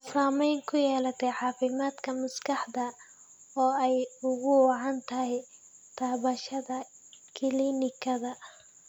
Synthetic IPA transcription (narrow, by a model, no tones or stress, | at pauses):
saːmɛjŋkʰʊjɛːlɐt̪ʰɛʕɑːfɪmaːd̪kʰɐmɐskʰɑħd̪ɐ | ɔːɛjʊɣʊwɑʕɑnt̪ʰɐɦɛj | t̪ʰaːβɐʃɐðɐ | kʰɪliːnɪkʰɐðɐ